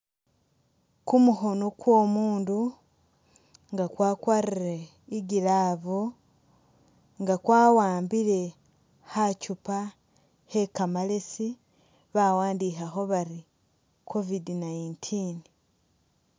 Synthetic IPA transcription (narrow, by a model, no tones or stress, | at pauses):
kumuxo̞nokwo̞ːmuːndu | ŋɡakwaːkwariɾe | iɡilaːβu | ŋɡakwaːwaːmbile̞ | hacupa | he̞kamale̞si | βawaːndixaxo̞βaɾi | kʰo̞vidinaintʰin